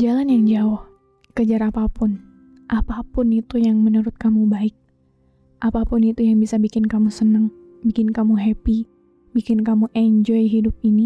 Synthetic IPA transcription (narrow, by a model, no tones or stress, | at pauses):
d͡ʒalanjaŋd͡ʒaʊh | kəd͡ʒaɾapapʊn | ʔapapʊnit̪ujaŋmənuɾʊt̪̚kamubaɪk̚ | ʔapapʊnit̪ujaŋbisabikɪnkamusənəŋ | bikɪnkamuɦɛpi | bikɪnkamuʔɛɲd͡ʒɔjɦidʊp̚ini